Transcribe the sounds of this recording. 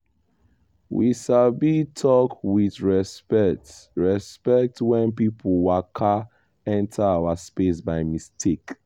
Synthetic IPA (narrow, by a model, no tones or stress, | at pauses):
wḭʃalbitʰɔkwiðɹɛspɛtɹɛspɛk̚twɛ̃npipʰɔlwakʰa | ɛ̃ntʰaawaspes̬baɪmistʰek